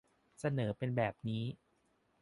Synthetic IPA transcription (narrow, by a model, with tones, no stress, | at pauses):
sa˧nɤː˩˦pe˧nbɛː˨˩p̚niː˦˥